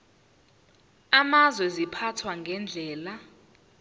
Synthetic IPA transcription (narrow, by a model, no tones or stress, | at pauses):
amazwɛzipʰatʰwaŋɡʱɛnd͡ɮʱɛːla